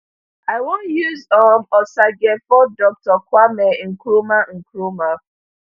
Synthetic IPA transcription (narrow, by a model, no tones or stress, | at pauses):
aɪwõnjuzɔmɔsaɡɛfɔdɔk̚tɔkwamɛĩŋ̩kɾumaŋ̩kɾuma